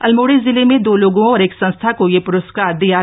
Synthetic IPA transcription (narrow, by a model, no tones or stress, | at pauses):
ɐlmoːɽezɪlemẽd̪oːloːɡõɔːɾeːksɐ̃nst̪ʰakojepʊɾəskaːɾd̪ija